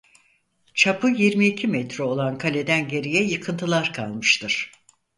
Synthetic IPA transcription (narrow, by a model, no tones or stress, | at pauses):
t͡ʃʰapʰɯjiɾmiːcʰimɛt̪ɾɛo̞lˠankʰalʲe̞d̪ænɟe̞ɾijɛjɯkʰɯnt̪ʰɯlˠaɾkʰa̰lˠmɯʃt̪ʰɯɾ̥